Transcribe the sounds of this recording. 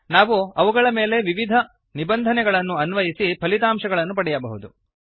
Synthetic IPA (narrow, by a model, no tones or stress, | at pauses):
naːʋuɐʋuɡɐɭɐme̞ːle̞ʋiʋid̪ʱɐ | nibɐnd̪ʱɐnɛɡɐɭɐnːuɐnʋɐjisipʰɐlit̪aːmʂɐɡɐɭɐnːupɐɽɛjɐbɐɦud̪u